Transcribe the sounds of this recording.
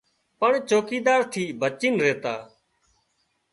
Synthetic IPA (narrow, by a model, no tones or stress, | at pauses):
pəɳt͡ʃoːkiːd̪aːɾt̪ʰiːbət͡ʃiːnɾeːt̪aː